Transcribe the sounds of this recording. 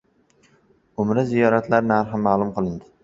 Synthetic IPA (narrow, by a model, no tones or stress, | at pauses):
ʊmɾazijɒɾat̪laɾnaɾɦɪmːaːlˠʊmqɨlˠɪnd̪ɪ